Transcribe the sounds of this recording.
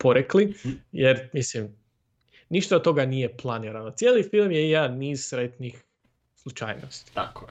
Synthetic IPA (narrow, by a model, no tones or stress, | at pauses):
po̞ɾeklijeɾmislim | niʃt̪aot̪t̪ːo̞ɡanije̞plˠaniɾanot̪sʲjelifilˠmjejaniːzsɾet̪nix | slˠut͡ʃa̰ːjno̰st̪i̥ako